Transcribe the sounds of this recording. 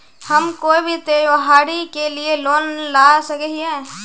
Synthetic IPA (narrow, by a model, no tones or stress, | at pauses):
həmkoːibʱit̪eːʋəɦaːɽikelieloːnlaːsəkɛɦiɦɛː